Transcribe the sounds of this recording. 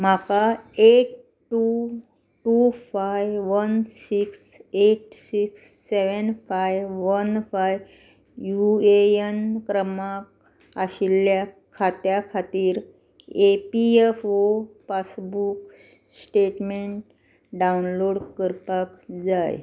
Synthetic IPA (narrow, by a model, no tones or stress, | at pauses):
m̤akaeʈ | ʈːu | ʈufajʋʋənsiks | eʈsiksːeʋənfajʋʋənfaj | jueənkɾəmak | aɕilːja | kʰat̪jakʰat̪iːɾ | epiefopasbuk̚ | sʈeʈmeɳʈ | ɖaunloɽkəɾpəkd͡zaj